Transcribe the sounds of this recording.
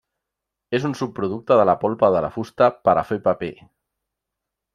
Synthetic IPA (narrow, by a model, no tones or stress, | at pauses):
esunsupːɾuð̞uk̚t̪aðəlapɔlpaðəla̰fust̪apaɾa̰fepape